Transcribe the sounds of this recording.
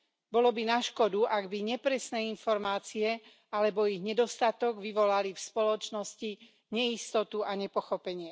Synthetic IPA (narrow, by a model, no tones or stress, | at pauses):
bɔlɔbinaʃkɔd̪uʔaɡbiɲɛpɾɛsnɛːinfɔɾmaːt͡siɛ | alɛbɔiɣɲɛd̪ɔst̪at̪ɔɡʋiʋɔlalifspɔlɔt͡ʃnɔsci | ɲɛist̪ɔt̪uaɲɛpɔxɔpɛɲɪɛ